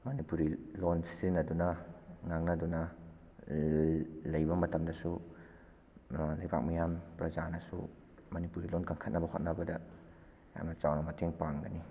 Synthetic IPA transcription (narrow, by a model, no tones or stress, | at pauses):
mɐnipuɾilonsi̥sɾinɐdunɐŋaŋnɐdunɐ | lɐjbɐmɐtɐmdɐsu | lɐjba̰k̚mijampɾɐzanɐsṵ | mɐnipuɾilonkɐŋkʰɐt̚nɐbɐhot̚nɐbɐdɐ | ja̰mnɐt͡ʃawnɐmɐtʰeŋpaŋɡɐni